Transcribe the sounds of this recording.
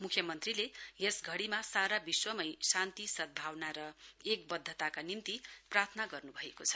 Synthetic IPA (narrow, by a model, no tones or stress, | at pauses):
mukʰːjʌmʌnt̪rilejesɡʱʌɽimasaɾabiswʌmʌjsant̪isʌd̪̚bʱawnaɾʌek̚bʌd̪ʱːʌt̪akanint̪iprart̪ʰʌnaɡʌrnubʱʌekot͡sʰʌ̥